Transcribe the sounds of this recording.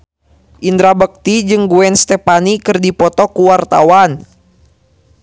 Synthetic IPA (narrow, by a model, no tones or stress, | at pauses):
ʔind̪ɾabək̚t̪id͡ʒɨŋɡuɛnst̪ɛpanikɨrdipɔt̪ɔkuwart̪a̰wan